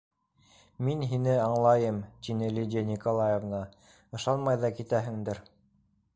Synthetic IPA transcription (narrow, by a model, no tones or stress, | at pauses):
minɦinɘɑɴlˠɑjɤmt̪inɘlʲidʲenʲikolˠɑjevnɑ | ɤ̆ʃɑnmɑjðɑkit̪æɦɘ̆ŋd̪ɘɾ